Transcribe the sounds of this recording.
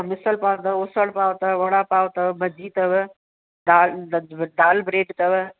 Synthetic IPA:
mɪsəlpaːʋt̪ɐʊsəɽpaːʋt̪ɐʋɐɽaːpaːʋt̪ɐʋbɐd͡ʑiːt̪ɐʋ | daːd̪aːlbɾeːʈt̪ɐʋ

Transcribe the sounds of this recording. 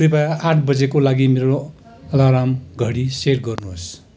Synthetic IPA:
ɾipaaʈʰbʌd͡zekolaɡimeɾo | ʌlaɾamɡʱʌɽiserɡʌrnuɦos

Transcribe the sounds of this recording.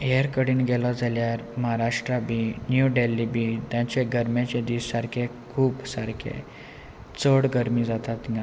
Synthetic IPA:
eɾkəɽiːnɡɛlɔd͡zʱaljaɾmaɦaɾaʂʈɾabʱiːnjuɖelːibʱit̪jãt͡ɕeɡəɾmjat͡ɕed̪iːssaɾkʰe | kʰuːpsaɾkʰḛ | t͡səɽɡəɾmid͡zat̪at̪iŋa

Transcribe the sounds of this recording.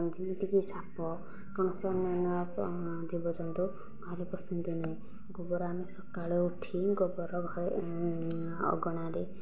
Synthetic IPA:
d͡ʒind̪iɡisapɔ | kɔɽ̃ɔsɔnanɔ | d͡ʒibɔd͡ʒɔnt̪u | ɡʱɔɾepɔsind̪inaɦĩ | ɡɔbɔɾɔamesɔkaɭeuʈʰiɡɔbɔɾɔɡʱɔɾ | ɔ̰ɡɔɽ̃aɾe

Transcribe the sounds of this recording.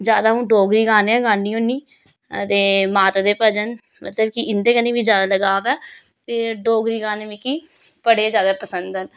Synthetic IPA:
d͡ʒjaːd̪aːʊ̃ːɖoːɡɾiːɡaːneɛ̃ːɡaːnːiːõːniː | t̪eːmaːt̪ːd̪eːpəd͡ʒən | mə̰t̪ləbkɪɪnd̪eːkənĩːʋiːd͡ʒjaːd̪aːləɡaːʋɛː | t̪eːɖoːɡɾiːɡaːneːʋiːki | pəɽeːzjaːd̪aːpəsənd̪ɛːn

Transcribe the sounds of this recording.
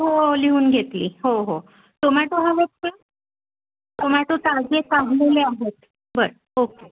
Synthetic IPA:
ɦoliuːnɡʱet̪lḭːɦoɦo | t̪om̤at̪oɦaʋeʈ̚ka | t̪om̤aɭt̪ot̪ad͡ʑekaɦleleaɦet̪ | bəɾə | oke

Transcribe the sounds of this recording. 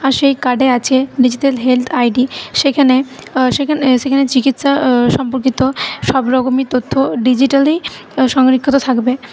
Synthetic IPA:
aɾʃejkaɖeat͡ɕʰeɖid͡ʑiʈalɦelt̪ʰajɖiʃekʰane | ʃeaʃekʰanet͡ɕikit̪ʃaʃɔmpoɾkit̪oʃɔbɾɔɡomit̪ot̪ʰːoɖid͡ʑiʈali | ʃɔŋɾikʰːit̪ot̪ʰakbe

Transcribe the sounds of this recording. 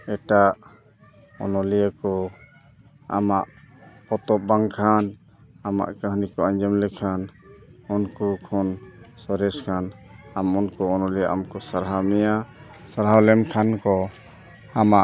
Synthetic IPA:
ɛʈaʔ | ɔnɔlijakɔ | a̰maʔpɔt̪ɔp̚baŋkʰan | ama̰ʔkəɦnikɔaɲd͡ʒəmlɛkʰanɔnkɔkʰɔnsɔɾɛskʰanamɔnkɔɔnɔlijaʔamkɔsaɾɦamɛja | saɾɦawlɛmkʰankɔ | amaʔ

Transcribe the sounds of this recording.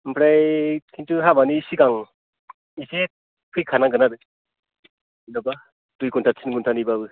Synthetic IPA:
mpʰɾajkʰintuɦabanisiɡaŋ | ise | pʰɯjkʰanaŋɡɯnabɯ | inɔba | tujkuntʰatsʰinɡuntʰanibabɯ

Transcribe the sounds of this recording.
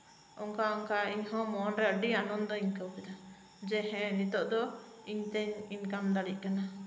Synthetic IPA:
ɔŋkaɔŋkaiɲɦɔ̃mɔnɾɛəɖianɔnd̪ɔiɲkəwkɛd̪a | d͡ʒɛɦɛ̃nit̪ɔʔd̪ɔiɲt̪ɛɲinkamd̪aɽiʔ̚ˀkana

